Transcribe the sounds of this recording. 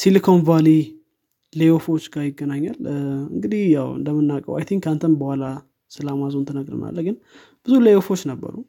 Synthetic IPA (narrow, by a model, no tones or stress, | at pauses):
silikʰo̞nvali | lejofo̞t͡ʃːɡajɪɡːənaɲːalɨ̰ŋɡɨd̪ihjawɨ̰nd̪əmːɨnːakʼə̰wa̰jt̪ʰiŋkant̪ʰənbəhʷala | sɨlamazont̪ʰɨnəɡɾɨ̰na̰lːəɡɨn | b̥ɨzuləjofo̞t͡ʃːnəbːə̰ɾu